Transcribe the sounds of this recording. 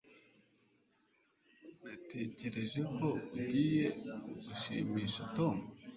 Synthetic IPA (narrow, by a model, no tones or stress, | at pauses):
nate̞ce̞ɾe̞ʒe̞ko̞uɟiːje̞ɡuʃiːmiːʃatomu